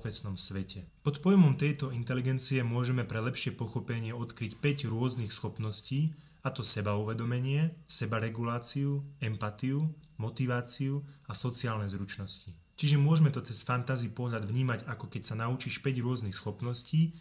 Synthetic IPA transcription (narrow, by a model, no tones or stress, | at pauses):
fɛsnɔmsʋɛcɛpɔt̪pɔjmɔmt̪ɛjt̪ɔint̪ɛliɡɛnt͡siɛmʊɔʒɛmɛpɾɛlɛpʃɪɛpɔxɔpɛɲɪɛɔt̪kɾicpɛɟɾʊɔznixsxɔpnɔsciː | at̪ɔsɛbauʋɛd̪ɔmɛɲɪɛsɛbaɾɛɡulaːt͡siuɛmpat̪iumɔt̪iʋaːt͡siuasɔt͡siaːlnɛzɾut͡ʃnɔsci | t͡ʃiʒɛmʊɔʒmɛt̪ɔt͡sɛsfant̪azipɔlaɟvɲiːmaɟakɔkɛcsanaut͡ʃiʃpɛɟɾʊɔznixsxɔpnɔsciː